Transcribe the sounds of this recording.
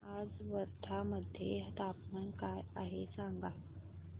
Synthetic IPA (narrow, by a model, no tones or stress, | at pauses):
ad͡zʋəɾt̪ʰaməd̪ʱːjet̪apnankajaɦesaŋɡa